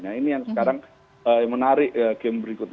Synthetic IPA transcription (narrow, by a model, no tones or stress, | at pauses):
ɲainijaŋsəkaɾaŋ | əmənaɾɪʔəɡɛmbəɾikʊt̪̚